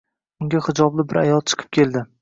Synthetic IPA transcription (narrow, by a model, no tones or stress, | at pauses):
ʊŋɡʲahɪd͡ʒɒblɪbɪɾajɒlˠt͡ʃʰɨ̥qʰɨ̥p̚kʲʰe̞ld̪ɪ